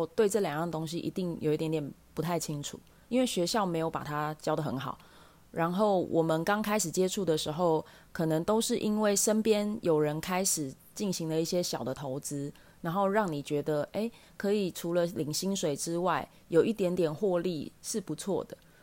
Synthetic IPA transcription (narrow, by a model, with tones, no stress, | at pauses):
t̪we˥˧ɪʈ͡ʂɤ˥˩ljɑ˨˩ŋ˥˩ŋ˩t̪o˥ŋɕ̬ḭ˧˥ʔḭ˧˥t̪i˥˩ŋjo̰˨ʊi˥t̪jnt̪jɛ˨˩npu˧˦t̪ʰa˥˩ɪt͡ɕʰi˦˥ŋʈ͡ʂʰṵ˨˩˦ | i˥nwe˥˩ɪɕɥɛ˧˥ɕjɑ˥˩ʊme˧˥ɪjo˧˩ʊpa̰˨˩t̪ʰa˦t͡ɕjɑ˥ʊd̪ə˨˩xə̰˧˥nxɑ̰˨˩˦ʊ | ɻa˧˥nxo˥˩ʊwʔɔ˨˩mə˨nkɑ˥ŋkʰa˥ɪʂɻ̩˨˩t͡ɕjɛ˥ʈ͡ʂʰu˥˩d̪ə˩ʂɻ̩˧˥xo˥˩ʊ | kʰɤ˨˩nɤ˨˦ŋt̪o˥ʊʂɻ̩˥˩ʔi˦˥nwe˥˩ɪʂə˦˥npjɛ˦njo˨˩ʊɻə˧˦nkʰa˥ɪʂɻ̩˨˩ | t͡ɕi˥˩nɕi˧˥ŋd̪ə˧i˥˩ɕjɛ˦ɕjɑ˨˩ʊd̪ə˦t̪ʰo˧˥ʊt͡sɹ̩˥ | na˧˥nxo˥˧ʊɻɑ˥˩ŋni˨˩t͡ɕɥɛ˧˥d̪ə˧ʔe˥˩ɪ | kʰɤ˧˥i˨˩ʈ͡ʂʰu˧˥lə˧li˨˩ŋɕi˥ŋʂwe˨˩ɪʈ͡ʂɻ̩˦˥wa˥˩ɪ | jo˨˩ʊʔi˥˩t̪jɛ˧˥nt̪jɛ˨˩nxwɔ˥˧lḭ˥˧ʂɻ̩˥˩pu˨˦t͡sʰwɔ̰˥˨d̪ə˩